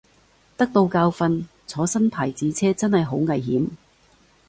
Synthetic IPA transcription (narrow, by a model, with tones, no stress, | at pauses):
t̪ɐ˥k̚t̪o˧wkaː˧wfɐ˧n | t͡sʰɔː˨˥sɐ˥npʰaː˨˩jt͡siː˨˥t͡sʰɛː˥t͡sɐ˥nhɐ˨jɦo˨˥wŋɐ˨˩jɦiː˨˥m